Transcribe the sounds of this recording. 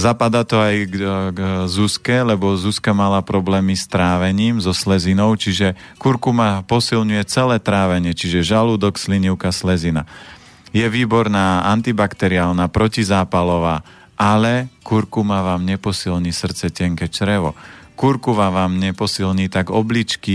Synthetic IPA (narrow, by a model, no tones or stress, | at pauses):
zapad̪aːt̪ɔajɡ | zuskɛlɛbɔzuskamalapɾɔblɛːmist̪ɾaːʋɛɲiːmzɔslɛzinɔʊt͡ʃiʒɛ | kuɾkumapɔsilɲujɛt͡sɛlɛːt̪ɾaːʋɛɲɪɛt͡ʃiʒɛʒaluːd̪ɔksliɲiʊkaslɛzina̰ | jɛʋiːbɔɾnaːant̪ibakt̪ɛɾiaːlnapɾɔcizaːpalɔʋaː | ʔalɛkuɾkumaʋaːmɲɛpɔsilɲiːsr̩t̪t͡sɛcɛŋkɛt͡ʃɾɛʋɔ̰kuɾkuʋaʋaːmɲɛpɔsilɲiːt̪aɡɔblit͡ʃki